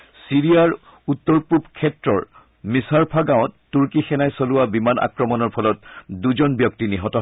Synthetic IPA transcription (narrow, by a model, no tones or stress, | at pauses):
siɹiaɹ | utːɔɹpubkʰɛtɹɔɹ | misaɹpʰaɡawɔ̃tːuɹkixɛnajsolʊabimanʔa̰kɹɔmɔnɔɹpʰɔlɔtduzɔnbjɔk̚tiniɦɔtɔ